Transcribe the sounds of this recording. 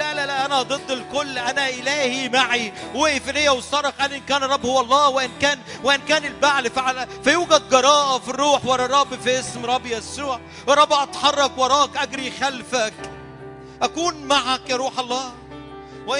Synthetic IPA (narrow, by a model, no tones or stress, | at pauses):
lælælæʔænæd̪ˤɨd̪ˤːelkolːʔænæʔɪlæːhimaʕiweʔefilejːæwesˤɑɾˤɑxʔænʔenkæːnɾˤːɑbːhowːɑlˤːɑːweʔenkæːn | weʔenkæːnelbaʕlfiʕalæfæjuːɡæd̪̚ɡɑɾˤɑːʔɑfirˤːuːħwɑɾˤɑɾˤɑbfiʔesmɾˤɑbːjæsuːʕ | ɾˤɑbːʔɑt̪ħɑrˤːɑkwɑɾˤɑːʔkʔæɡɾixælfæk | ʔækuːnmaʕakjɑɾˤuːħɑlˤːɑː | weʔ